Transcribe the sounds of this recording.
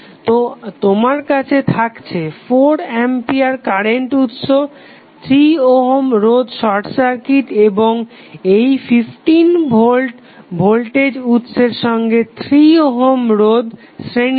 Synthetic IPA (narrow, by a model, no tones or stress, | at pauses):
t̪ot̪omaɾkat͡ɕʰet̪ʰakt͡ɕʰefoɾɛmpiaɾkaɾeɳʈut̪ʃo | t̪ʰɾioɦomɾod̪ʃɔɾʈsaɾkiʈeboŋ | ejfifʈinbʱolʈ | bʱolʈed͡ʑut̪ʃeɾʃɔŋɡet̪ʰɾioɦomɾod̪ | sɾen